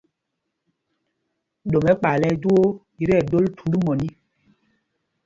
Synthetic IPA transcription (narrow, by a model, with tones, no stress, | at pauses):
ɗo˨mɛ˨˦k͡pa˨lɛ˦d͡ʒu˦o˦ | i˨ɾɛ˦˨do˦ltu˨ndu˦mɔ˨ni˦